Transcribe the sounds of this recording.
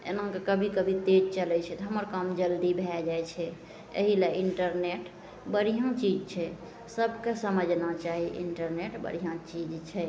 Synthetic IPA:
ḛnãkekəbʱikəbʱit̪ed͡ʒt͡ʃəlɛt͡ʃʰɛt̪ɔɦəməɾkamd͡ʒəld̪ibʱɛd͡ʒaɛt͡ʃʰɛ | ḛɦilaiɳʈəɾneʈ | bəɽijãt͡ʃid͡ʒt͡ʃʰɛ | səbkesəməd͡ʒʱnat͡ʃaɦiʔḭɳʈəɾneʈbə̰ɽijãt͡ʃid͡ʒt͡ʃʰɛ

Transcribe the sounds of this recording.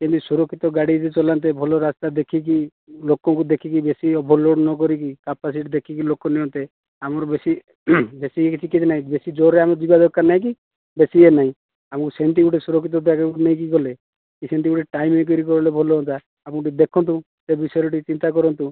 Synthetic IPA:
kint̪usuɾɔkʰːit̪ɔɡaɽid͡ʒet͡ʃɔlant̪̬ebʱɔlɔɾast̪ad̪ekʰiki | lokɔŋkud̪ekʰikibesiɔbʱɔloɽnɔk̬ɔɾikikapasiʈd̪ekʰikilokɔniɔ̃nt̪e | amɔɾbesi | besiekit͡ʃikːit̪ʰnaɦĩbesid͡ʒoɾeamɔd͡ʒibad̪ɔkːaɾnaɦĩk̬i | besienaɦĩ | amɔŋkusent̪̬iɡuʈesuɾɔkʰːit̪̬ɔd̪akuʈnaĩk̬iɡɔle | kisent̪iɡuʈeʈaimek̬ɔɾik̬ɔɾɔlebʱɔlɔɔnt̪a | apɔ̃ʈid̪ekʰɔnt̪̬ũ | sebisɔjɔɾɔʈit͡ʃint̪ak̬ɔɾɔnt̪ũ

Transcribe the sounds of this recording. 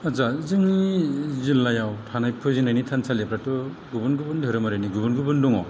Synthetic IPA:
azazɯŋnizilːajawtʰanajpʰɯzinajnitʰansʰalepɾatɯɡubɯnɡubɯndʱɯɾɯmaɾɯniɡubɯnɡubɯnduŋɔ

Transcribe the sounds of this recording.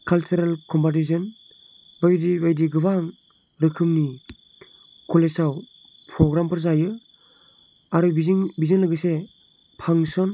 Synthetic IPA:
kʰalt͡ʃuɾalkʰɔmpatis̬ɔn | bajdibajdiɡɯbaŋ | ɾɯkʰɯmni | kʰɔlesaw | pʰɾɔɡɾampʰɯɾzajɯ | aɾɯbiziŋbizɯnlɯɡɯse | pʰaŋsɔn

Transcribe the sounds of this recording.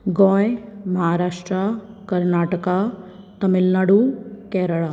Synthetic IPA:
ɡoːjmɐɦaːɾaːʃʈɾa | kɐɾnaːʈəka | t̪ɐmɪlnaɽukɛɾəɭa

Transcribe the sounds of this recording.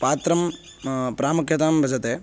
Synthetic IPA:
paːt̪ɾɐm | pɾaːmukʰjɐt̪aːmbʱɐd͡ʒɐt̪eː

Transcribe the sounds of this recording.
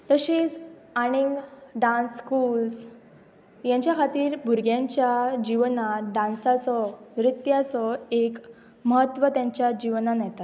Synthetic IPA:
t̪əɕid͡z | aɽ̃iŋɡɖãnskuls | jãɲt͡ɕjakʰat̪iːɾbʱuɾɡjãɲt͡ɕjad͡ʑiʋnaɖãnsat͡sɔnɾit̪jat͡sɔek | məɦət̪ːʋət̪jaɲt͡ɕjad͡ʑiʋnanɛt̪at̪

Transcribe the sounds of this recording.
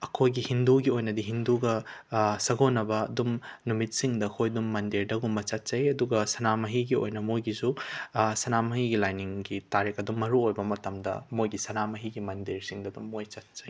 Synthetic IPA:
ɐkʰojɡihinduɡiojnɐdiɦinduɡɐsɐɡonɐbɐːdumnumit̚siŋdɐkʰojdumːɐndiɾdɐɡumbɐt͡ʃɐt̚t͡ʃɐjɐduɡɐsɐnamɐɦiɡio̰jnɐmojɡisusɐnamɐɦiɡilajniŋɡitaɾekɐdumːɐɾuojbɐmɐtɐmdɐ̰mojɡisɐnamɐɦiɡimɐndiɾsiŋdɐdumːojt͡ʃɐt̚t͡ʃɐj

